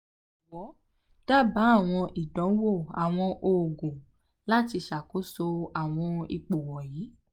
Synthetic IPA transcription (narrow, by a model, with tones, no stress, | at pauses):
wɔ˨˦ | d̥a˦˨ba˨˦a˦˨w̃ɔ̃˧ʔi˨dɔ̃˨˦wo˦˨a˨w̃ɔ̃˧ʔo˨ɡũ˨ | la˦ti˧ʃa˨ko˨˦so˧a˨w̃ɔ̃˧ḭ˧k͡po˨wɔ˨jiː˨˦